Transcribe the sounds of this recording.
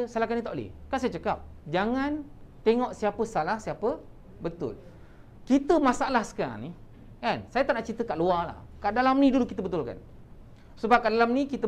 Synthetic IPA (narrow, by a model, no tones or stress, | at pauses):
salahkanĩt̪aʔlḛkansajət͡ʃəkap̚d͡ʒaŋãnt̪eŋɔʔsiapəsalahsiapə | bət̪ʊ̰l | kit̪əmãsaalahsə̥ka̰ni | kansajət̪aʔnaʔt͡ʃint̪əkaʔluala̰h | kaʔdalamnĩdulukit̪əbət̪ʊlka̰n | səbap̚kaʔdalamnikit̪ə